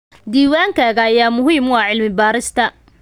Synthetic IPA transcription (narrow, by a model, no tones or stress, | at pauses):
d̪iːwaːŋkʰaːɣɐːjaːmʊɦiːmwɑːʕɪlmɪbaːɾɪst̪ʰɐ